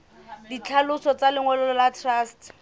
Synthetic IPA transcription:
dit͡ɬʰalʊsɔt͡salɪŋwɛlɔlɔlatʰrast

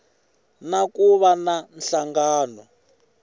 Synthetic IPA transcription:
nakuβananɬaŋɡaːnɔ

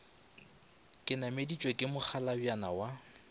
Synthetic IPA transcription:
kʼɪnamedit͡ʃʼwekʼɪmʊk͡xʰalabjana̰wa

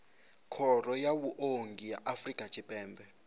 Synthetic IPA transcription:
kʰɔrɔjawuʔoŋɡʱijaʔafrikʼḁt͡ʃʰipʼɛːmbʱɛ

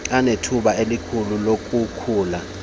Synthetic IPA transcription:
anetʰuɓaelikʰululokʼukʰuːla

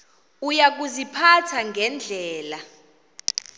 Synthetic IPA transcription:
ujak̬uzipʰatʰaŋɡʱɛnd͡ɮʱɛːla

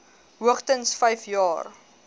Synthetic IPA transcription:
ɦuəχtənsfɛjfjɑːr

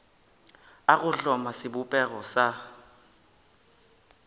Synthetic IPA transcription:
akʊɬɔmasɪbupʼɛk̬ɔsa

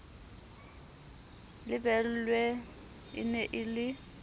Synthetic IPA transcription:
lɪbɛl̩lwɛ | ɪ̰nɛʔɪlɪ

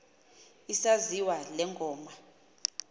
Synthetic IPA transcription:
isaziwalɛŋɡʱɔːma

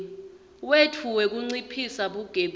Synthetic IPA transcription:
wetʰuwɛk̬uŋ͡ǀipʰisaɓuɡ̥ʱeɓ

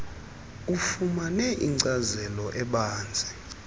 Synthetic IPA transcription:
ufumanɛʔiŋǀazɛlɔʔɛɓaːnd͡zʱɛ

